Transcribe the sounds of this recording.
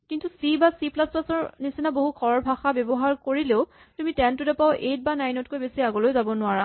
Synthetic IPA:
kintusibasiplasplasɔɹnisinaboɦukʰɔɹɔɹbʱaxabɛbɔɦaɹkoɹileʊ | tumitɛntʊdɛpaʊʔejt̚banajnɔt̚kojbesiaɡɔlojzabɔnʊaɹa

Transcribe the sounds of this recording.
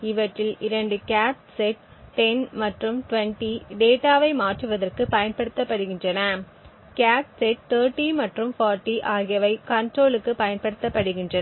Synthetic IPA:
ɪʋɐʈrɪlɪɾɐɳɖɯkaːt̪sɛʈ̚ː | ɛnmɐʈrɯmʈʊʋɐɳʈiɖeːʈaːʋɐɪmaːʈrɯʋɐðɐrkɯpɐjɐnpɐɽɯt̪ːɐpːɐɽɯɣɪndrɐnɐ | kaːt̪sɛʈ̚t̪ɐːɾʈːimɐʈrɯmfaːɾʈːiʔaːɣɪjɐʋɐɪkɐɳʈroːɭɯkːɯpɐjɐnpɐɽɯt̪ːɐpːɐɽɯɣɪndrɐ

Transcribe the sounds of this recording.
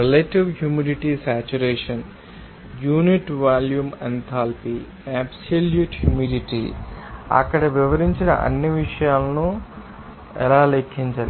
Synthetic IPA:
ɾeleʈiʋɦjumiɖiʈisæːt͡ʃuɾeːʂɐn | juːniʈʋaːljument̪ʰaːlpi | æːbsoljuːʈjuːmiɖiʈḭ | ɐ̰kːɐɽɐʋiʋɐɾiɲt͡ʃinɐ̰ʔɐ̰nːiʋiʂɐjaːlɐnu | ɛ̰laːlekʰːiɲt͡ʃɐːli

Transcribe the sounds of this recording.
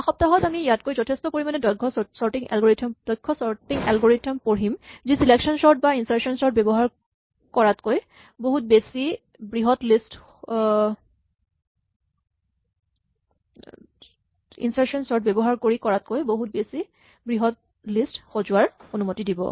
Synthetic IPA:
axɔp̚taɦɔtamijatkojzɔtʰestɔpoɹimanɛdɔkʰːɔsɔɹtiŋɛ̰lɡoɹitʰɔmd̥ɔjkʰːɔsɔtiŋɛlɡoɹitʰɔmpoɹimzisileksɔnsɔɹt̚bainsaɹsɔnsɔɹt̚bɛbɔɦaɹ | kɔɹatkoj | boɦut̚besi | bɹiɦɔtlist | ḭnsaɹksɔnsɔɹt̚bebɔɦaɹkoɹikɔɹat̚kojboɦut̚besi | bɹiɦɔt̚ | listxozʊaɹonumotidibɔ̰

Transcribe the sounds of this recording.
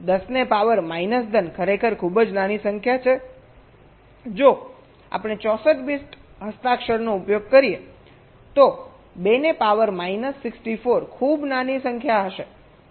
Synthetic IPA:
d̪əsnepaʋəɾmainəsd̪ənkʰəɾekʰəɾkʰubəd͡ʒnanisəŋkʰjat͡ʃʰe | d͡ʒo | a̰pɽ̃et͡ʃɔsət̪bisʈɦəst̪akʃəɾnoupjoɡ̚kəɾie | t̪o | benepaʋəɾmainəsːɪksʈifoɾkʰubnanisə̃ŋkʰjaɦəʃe

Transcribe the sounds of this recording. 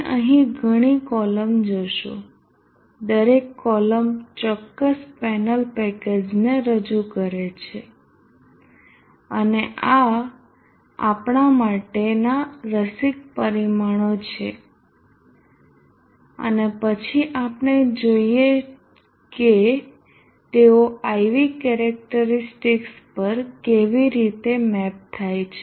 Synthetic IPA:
ʔəɦĩɡʱəɽ̃ikɔləmd͡ʒoʃo̰ | d̪əɾekːɔləmt͡ʃɔkːəspɛnəlpɛked͡ʒneɾəd͡ʒukəɾet͡ʃʰe | əneʔa | a̰pɳamaʈenaɾəsik̚pəɾimaɳ̃ot͡ʃʰe | ə̰nepət͡ʃʰiʔapɳed͡ʒoie | ke | t̪eoajʋikɛɾɛk̚ʈəɾisʈikspəɾkeʋiɾit̪emɛp̚t̪ʰajt͡ʃʰe

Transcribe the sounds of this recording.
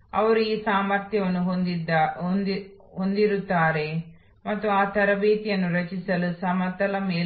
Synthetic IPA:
ɐ̰ʋɐɾuiːsaːmɐɾt̪jɐʋɐnːuɦond̪id̪ | ɦond̪iɾut̪ːaːɾe̞ | mɐt̪ːuaːt̪ɐɾɐbeːt̪jɐnːuɾɐt͡ʃisɐlusɐmɐt̪ːɐlɐmeː

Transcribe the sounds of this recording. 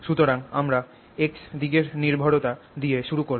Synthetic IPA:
ʃut̪oɾaŋamɾa | eksd̪iɡeɾniɾbʱoɽot̪ad̪ieʃuɾukoɾ

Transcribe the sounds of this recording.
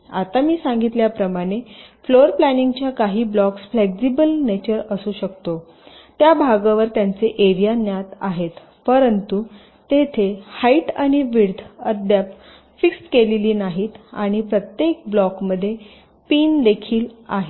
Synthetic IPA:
a̰t̪amiːsaŋɡit̪ljapɾəmaɽ̃efloɾplæniŋɡt͡ɕjakaɦiːblɔksfleksibəlnet͡ɕəɾəsuːɕəkt̪o | t̪jabʱaɡaʋəɾt̪jant͡seʔeɾijanjat̪aɦet̪ | pəɾənt̪u | t̪et̪ʰehaiʈaɽ̃iʋiɾd̪ʱəd̪ʱjap | fikskeleliːnaɦiːt̪a̰ɽ̃ipɾət̪jek̚blɔkməd̪ʱːje | piːnd̪ekʰiːla̰ɦe

